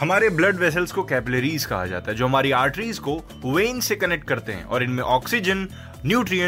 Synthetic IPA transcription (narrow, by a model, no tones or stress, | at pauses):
hɐmaːɾeblɐɖʋɛs̬əlzkokɛːpɪleɾiːzkɐ̰ɦa̰d͡ʒa̰ːt̪aɦɛd͡ʒoːɦɐmaːɾiaːɾʈɾiːzko | wẽːnsekɐnɛk̚ʈ̚kɐɾt̪eɦɛ̰̃ʔɔ̰ːɾɪnmẽʔɔːksɪd͡ʒənː | juːʈɾiə̃